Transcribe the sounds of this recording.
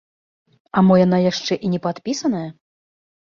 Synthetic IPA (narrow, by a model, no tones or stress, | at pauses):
ɐmɔjanajaʂt͡ʂɛʔinʲɛpat̪pʲisɐnɐjɐ